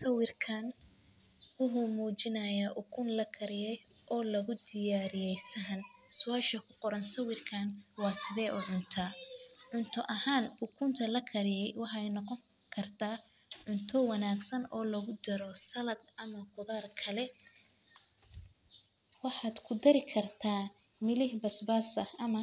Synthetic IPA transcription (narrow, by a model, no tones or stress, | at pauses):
sɐwɪrkʰan | wʊɦʊmuːt͡ʃɪnɐjaːʔʊkʰʊnlɐkʰɐɾɪjɛjʔɔːlɐɣʊd̪ɪjaːɾɪjɛjsɐɦɐnsʊaːʃɐkʰʊqɔɾɐnsɐwɪrkʰaːnwɑːsɪðɛːʔʊʕʊnt̪ʰaʕʊnt̪ʰɔʔɐhaːnʊkʰʊnt̪ʰɐlɐkʰɐɾɪjɛjwɑħɛjnɔqɔŋ | kʰɐrt̪ʰaː | ʕʊnt̪ʰɔwɑnaːɡsɐnɔːlɐɣʊd̪ɐɾɔsɐlɐd̪ɐmɐqʊðaːrkʰɐlɛ | wɑħɑːd̪kʰʊd̪ɐɾɪkʰɐrt̪ʰaː | mɪlɪhbɐsbaːsɐhɐmɐ